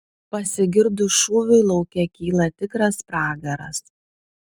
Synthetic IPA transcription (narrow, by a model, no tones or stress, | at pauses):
pɐsʲɪɡʲɪɾd̪ʊʃuːʋʲʊɪlˠɒʊkʲɛkʲiːlˠɐt̪ʲɪkɾɐspɾɑːɡɐɾɐ̰s